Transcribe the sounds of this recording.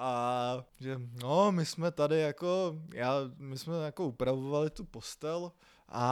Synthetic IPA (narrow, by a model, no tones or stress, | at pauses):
ʔaʒɛnomɪsmɛt̪adɪjako̞jaːmɪsmɛjako̞upɾavovalɪt̪upo̞st̪ɛl | ʔa̰